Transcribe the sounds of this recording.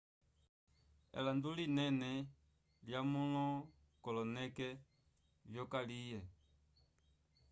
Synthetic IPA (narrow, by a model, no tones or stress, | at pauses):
ɛ̰landulinɛnɛ | ljamɔlɔ | kɔlɔnɛkɛ | vjɔkalijɛ